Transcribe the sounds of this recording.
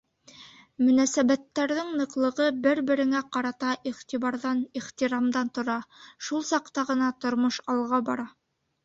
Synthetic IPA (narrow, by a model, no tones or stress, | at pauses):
mɵ̆næsæβæt̪ːæɾðɘŋnɤ̆qlˠɤ̆ʁɤbɘɾbɘ̆ɾɘ̆ŋæqɑɾɑt̪ɑʔiʁt̪iβɑɾðɑniχt̪iɾɑmd̪ɑnt̪ŏɾɑʃulˠsɑqt̪ɑʁɤ̆nɑt̪ŏɾmoʃɑlˠʁɑbɑɾɑ